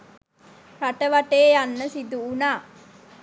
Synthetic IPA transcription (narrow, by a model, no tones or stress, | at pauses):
ɾaʈəʋaʈeːjanːəsid̪uːnaː